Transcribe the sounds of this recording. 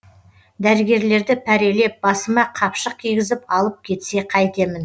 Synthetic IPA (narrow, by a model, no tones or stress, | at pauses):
d̪æɾɪɡʲe̞ɾle̞ɾd̪ɪpʰæɾe̞lep̚bɑsəmɑqʰɑpʃəq̚kʲʰijɡʲɪzɪpɑlˠəp̚kʲʰe̞t̪se̞qʰɑjt̪e̞mɪn